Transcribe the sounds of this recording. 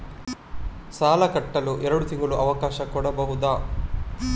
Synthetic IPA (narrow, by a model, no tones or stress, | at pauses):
saːlɐkɐʈːɐluʔɛɾɐɽut̪iŋɡuluʔɐʋɐkaːʃɐkuːɽɐbɐɦud̪aː